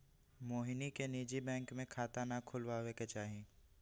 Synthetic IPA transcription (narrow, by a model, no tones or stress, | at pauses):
moːɦnikeniːd͡ʒibɛ̃ːŋkmẽkʰaːt̪anakʰʊlwaweket͡ʃaːɦĩː